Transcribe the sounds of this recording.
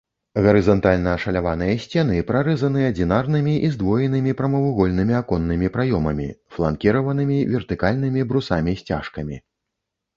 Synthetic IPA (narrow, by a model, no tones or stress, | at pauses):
ɣɐɾɨzɐnt̪alʲnɐːʂɐlʲavan̪ɨjɐsʲt͡sʲɛnɨpɾaɾɨzɐn̪ɨjɐd͡zʲinarnɨmʲiʔizd̪vɔjɛnɨmʲipɾɐmɐvuɣɔlʲnɨmʲiakɔnːɨmʲipɾajɔmɐmʲḭflˠa̰nkʲiɾɐvɐnɨmʲivʲɛrt̪ɨkalʲnɨmʲibɾusamʲisʲt͡sʲa̰ʂkɐmʲi